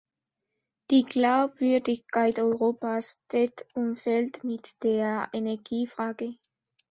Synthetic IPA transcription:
d̥iːɡlaʊbv̥ʏɐdɪçkʰaɪtɔʏʁoːpast͡sɛtumfɛltmɪtd̥eːɐenɛɐɡiːfʁ̥aːɡə

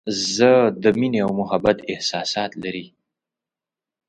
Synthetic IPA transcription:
zəd̪əmineawmʊhabat̪ɪhsɑsɑt̪laɾi

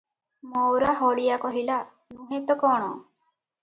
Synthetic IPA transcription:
mɔwɾaɦɔɽijakɔɦila | nũɦẽt̪ɔkɔɽ̃ɔ

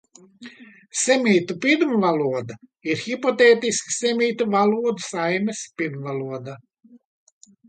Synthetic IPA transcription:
sʲɛmʲiːt̪upʲid̪mvalˠuɔd̪a | iɾxipɔt̪eːt̪isksɛmʲiːt̪uvalˠuɔd̪u̥sajmɛspʲid̪mvalˠuɔd̪a

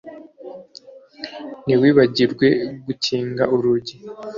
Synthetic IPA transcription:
niwiːβaɟiɾɡwe̞ɡuciːŋɡauɾuɟi

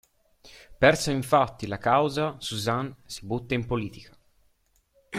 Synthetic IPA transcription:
pɛrsoiɱfat̪ːilakawzasuzansi̥but̪ːaimpoliːt̪ikḁ

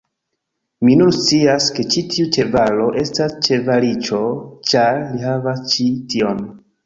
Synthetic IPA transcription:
minunst͡siaske̞t͡ʃitʰiut͡ʃe̞valo̞ʔe̞stast͡ʃe̞valit͡ʃo̞t͡ʃaɾlihavast͡ʃitio̞n

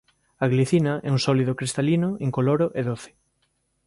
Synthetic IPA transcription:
aɣliθinɐʔɛ̰uŋsɔliðokɾist̪alinoeŋkoloɾoʔeðoθɪ̥

